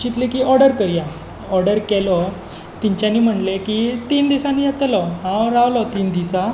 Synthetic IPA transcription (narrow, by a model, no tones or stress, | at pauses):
ɕit̪lekiːɔɾɖəɾkəɾja | ɔɾɖəɾkɛlɔ | t̪iɲt͡ɕjaniːm̤əɳlekit̪iːnd̪isãniːjat̪lɔɦãɾaʋlɔt̪iːnd̪isa